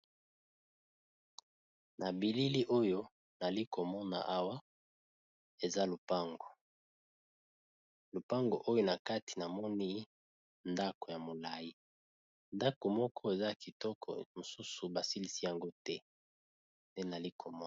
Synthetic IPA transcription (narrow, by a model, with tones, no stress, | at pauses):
na˨bi˨li˦li˦ʔo˦jo˦ | na˨li˦ko˨mɔ˦na̰˨ʔa˦wa˦ | e˨za˦lo˨pa˦ŋɡo˨ | lo˨pa˦ŋɡo˨ʔo˦jo˦na˨ka˦ti̥˨na˨mɔ˦ni˦ | nda˦ko˨ja˨mo˨la˨ji˦ | nda˦ko˨mɔ˦kʰɔ˦e˨za˦ki˨tɔ˦kʰɔ̰˨mo˨su˦su˨ba˨si˦li˦si˦ja˨ŋɡo˦tɛ˦ | nde˦na˨li˦kʰo˨mɔ˦˨